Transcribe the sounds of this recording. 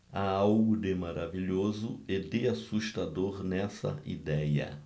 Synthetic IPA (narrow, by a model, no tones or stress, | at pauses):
aawɡʊd̪ɪmaɾaviʎozʊed̪ɪasuʃt̪ad̪oɾnɛsɐ̰ḭd̪ɛjɐ̰